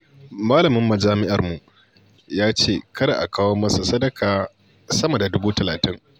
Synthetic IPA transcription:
maː˦lɐ˨mɪ˦mːɐ˨d͡ʒaː˦mɪ˦ʔɐ˨rmu˨ʔ | jaː˦t͡ʃeː˦˨kʰɐ˦ɾa̰˨ʔa̰˨kaː˦woː˦mɐ˦sa˨sɐ˦dɐ˦kʰaː˨ | sɐ˦mɐ˨da˨dʊ˦buː˦tɐ˨laː˨tɪ˦ŋ

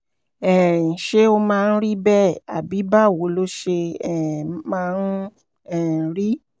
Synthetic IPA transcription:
ɛ˨ɾĩ˨ʃe˦o˧mãː˧n̩˦ɾi˦bɛ˦˨a̰˨bi˨˦ba˦˨wo˨˦lo˦ʃe˧ɛ˨mãː˧n˦ | ɛ˦˨ɾi˦

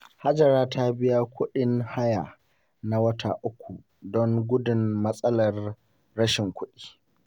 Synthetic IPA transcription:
ha˦d͡ʒɐ˨ɾaː˦ta˦bɪ˦ja˦kʷʊ˦ɗɪ˦ŋha˦jaː˨ | na˨wɐ˦tʰa̰˨ʔʊ˦kʷʰːu˨ | dɔ˦ŋɡʷʊ˦dɪ˨mmɐ˦sʼɐ˦lɐ˨rː | ɐ˦ʃɪ˨ŋkʷʰʊ˦ɗi̥ː˦

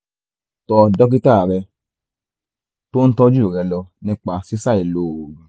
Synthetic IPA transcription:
tɔ˧dɔ˦k̬i˦ta˦˨ɾɛ˧ | to˦n̩˦tɔ˦d͡ʒu˦˨ɾɛ˧lɔ˧nĩ˦k͡pa˧si˦sa˦˨i˨lo˨ũ˨

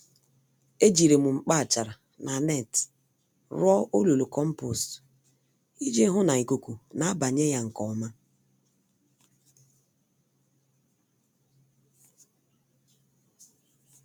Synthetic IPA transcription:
e˦d͡ʒi˨ɾe˨mu˨ŋ͡m̩˨k͡pa˦˨t͡ʃa˨ɾa˨ | nʔa˨nɛ˦˨t | ɾɔ˦o˦lu˨lo˨kɔ˦m̩˦po˨st | i˦d͡ʒe˦ɦʊ˦na˨i˨ko˨ku˨na˨a˦ba˨ɲe˦ja˦ŋ̩˨kɔ˨ma˦

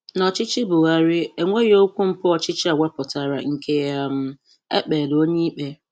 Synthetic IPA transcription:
nɔ˨t͡ʃɪ˦t͡ʃi˦bʊ˨ɣa˦ɾɪ˦e˨ŋʷe˦ɾo˦kʷu˦m̩˦pʊ˦ɔ˨t͡ʃɪ˦t͡ʃi˦a˨wʷɛ˦pʊ˨ta˦˨ɾa̰˨ŋ̩˦kʰe˦ja˦˨m̩˦ | ḛ˦k͡peː˨do˦ɲi˦k͡pe˦

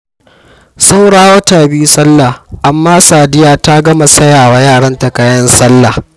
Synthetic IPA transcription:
sa˦wɽaː˦wɐ˦taː˨biː˦sɐ˦lːa˨ʔa˨mːaː˦saː˨dɪ˦jaː˨ta˦ɡɐ˦ma˨sɐ˦jaː˨wa˨jaː˦˨ɽɐ˦nta˨kaː˦jɐ˦nsɐ˦lːa˨

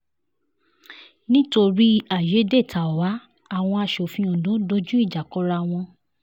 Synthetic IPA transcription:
nĩ˦to˧ɾi˦a˦˨je˨˦de˦˨ta˨wa˨˦ | a˦˨w̃ɔ̃˧a˧˨ʃo˨fĩ˧õ˨dõ˨˦do˦d͡ʒu˦i˦˨d͡ʒa˨kɔ˨˦ɾa˧w̃ɔ̃˧

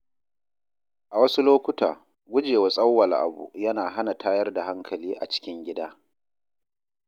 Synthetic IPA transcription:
ʔa˨wɐ˦su˦loː˦kʷʊ˦ta̰ː˨ | ɡʷʊ˦d͡ʒeː˨wa˨sʼɐ˦wːɐ˨lʔa̰˨bṵ˨jɐ˦naː˨ɦa˦na˨taː˦jɐ˦rda˨ha˦ŋkʰɐ˨liː˦ʔa̰˨t͡ʃɪ̥˦kʲɪ˦ŋɡʲɪ˦daː˦

